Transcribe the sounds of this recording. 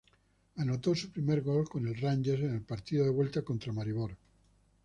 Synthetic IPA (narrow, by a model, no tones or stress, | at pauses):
anot̪osupɾimeɾɣolkonelranʲd͡ʒesenelpaɾt̪iðoðeβwelt̪akont̪ɾamaɾiβ̞oɾ